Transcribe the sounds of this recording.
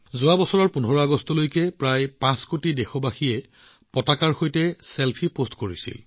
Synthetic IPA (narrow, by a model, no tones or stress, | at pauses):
zʊwabɔsɔɹɔɹpunɦɔɹɔaɡɔstɔlojkɛpɹajpãskotidexɔbaxiɛ | pɔtakaɹxojtɛselpʰipostkoɹisḭl